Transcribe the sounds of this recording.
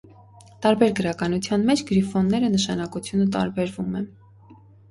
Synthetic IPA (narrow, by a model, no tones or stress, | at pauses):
t̪ɑɾbɛɾɡəɾɑkɑnut͡sʰjɑnmɛt͡ʃʰɡəɾifɔnːɛɾənəʃɑnɑkut͡sʰjunət̪ɑ̰ɾbɛɾvumɛn